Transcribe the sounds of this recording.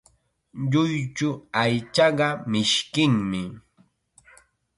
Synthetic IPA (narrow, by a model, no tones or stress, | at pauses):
ʎʊjt͡ʃʊajt͡ʃɑɢɑmɪʃkɪŋmɪ